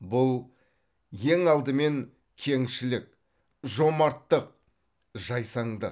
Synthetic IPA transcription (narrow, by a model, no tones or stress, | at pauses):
bʊlˠ | je̞ŋɑlˠd̪əme̞ŋ | kʲʰe̞ŋʃɪlɪk̚ | ʒo̞mɑɾt̪ːəq̚ | ʒɑjsɑɴd̪ə̰